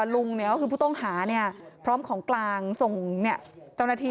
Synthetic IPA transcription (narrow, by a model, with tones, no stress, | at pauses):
lu˧ŋni˧˩kɔ˥˩kʰɯː˧pʰuː˥˩t̪ɔ˥˩ŋhaː˩˦ni˥˩ɐpʰɾɔː˦˥mkʰɔː˩˦ŋklaː˧ŋso˨˩ŋni˥˩ɐt͡ɕa˥˩wnaː˧˩t̪ʰiː˧